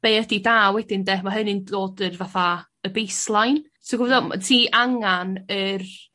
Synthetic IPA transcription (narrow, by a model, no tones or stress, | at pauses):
b̥ejədidaːwɛdɪndɛmaɦənɨndoːdərvaθa | əbejslˠajn | soɡɔvdɔma̰tʰiːʔaŋanər